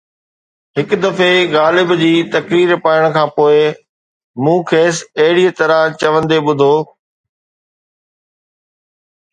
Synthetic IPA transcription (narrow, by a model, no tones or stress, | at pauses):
ɦɪkd̪ɐfeɣaːlɪbd͡ʑiːt̪ɐkɾiːɾpaːɪɽ̃̆kʰãːpoːɪ | mũːkʰeːsɐɦɪɽiət̪ɐɾãt͡ɕɐʋə̃nd̪eɓʊd̪ʱoː